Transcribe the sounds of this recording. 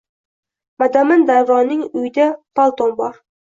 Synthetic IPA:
mad̪amɪnd̪ajvɒnɪŋʊjɪd̪apʰalˠt̪onbɒɾ

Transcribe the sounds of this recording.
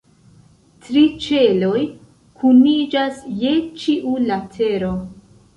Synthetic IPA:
tɾit͡ʃe̞lo̞j | kʰunid͡ʒasje̞t͡ʃiʔulatʰe̞ɾo̞

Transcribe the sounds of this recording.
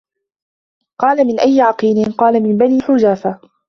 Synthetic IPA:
qɑːlamɪnʔajːɪʕɑqiːlɪnqɑːlamɪmbaniːħʊd͡ʒaːfa

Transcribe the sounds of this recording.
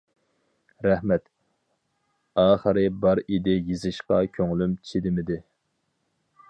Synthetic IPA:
ɾɛhmɛt̪ | ɑːχəɾɨbɑɾid̪ɪjizɨʃqɑkʲʰøŋlymt͡ʃʰid̪ɪmɪd̪ɪ

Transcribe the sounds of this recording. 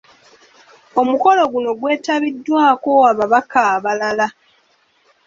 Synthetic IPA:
o̞muko̞lo̞ɡuno̞ɡwe̞ːtaβidːwaːko̞aβaβakaːβalala

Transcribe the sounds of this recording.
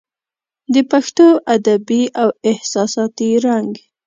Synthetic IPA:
d̪əpaxt̪oʔad̪abiʔawɪhsɑsɑt̪iɾaŋɡ

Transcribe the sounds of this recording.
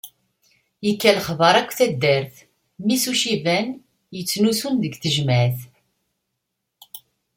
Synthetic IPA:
jəkːælχvəɾˤækʷːθæd̪ːæɾθ | misuʃivæn | jət͡sːnusunðəɡθəʒmæθ

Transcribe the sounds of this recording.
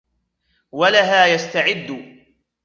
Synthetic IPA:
walaɦaːjast̪aʕɪd̪ː

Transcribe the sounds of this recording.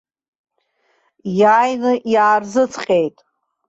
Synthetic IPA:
jaːjnɨʔjaːrzɨt͡sʰqʲʼe̞jtʼ

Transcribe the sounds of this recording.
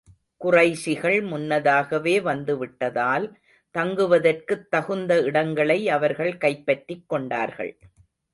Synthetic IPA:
kʊrɐɪsɪɣɐɭmʊnːɐðaːɣɐʋeːʋɐnd̪ɯʋɪʈːɐðaːl | t̪ɐŋɡɯʋɐðɐrkɯt̪ːɐɣɯnd̪ɐɪɽɐŋɡɐɭɐɪɐʋɐɾɣɐɭkɐɪpːɐʈːɪkːɔɳɖa̰ːɾɣɐ̰ɭ

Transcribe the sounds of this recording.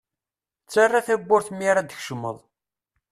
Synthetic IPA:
t͡sːarːaθæbːʊɾθmːiɾad̪əçʃəmːə̰ðˤ

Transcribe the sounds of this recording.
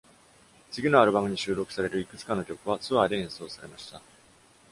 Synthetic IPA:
t͡sɨɡʲino̞aɾɯ̟bamɯ̟ɲ̟iɕɨːɾo̞kɯ̟̥saɾe̞ɾɯ̟ikɯ̟t͡sɨ̥kãnːokʲo̞kɯ̟βat͡sɨβad̪e̞ẽɰ̃so̞ːsaɾe̞maɕi̥t̪a

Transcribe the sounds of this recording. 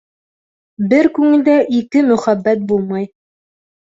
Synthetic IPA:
bɘɾkʉŋɘ̆ld̪æʔikɘmɵ̆χæbːæt̪̚bulˠmɑj

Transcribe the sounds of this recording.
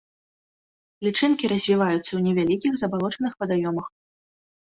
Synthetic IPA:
lʲit͡ʂɨnkʲiɾɐzʲvʲivajut̪sːɐwnʲɛvʲalʲikʲiɣzɐbalˠɔt͡ʂɐnɨxpɐd̪ajɔmɐx

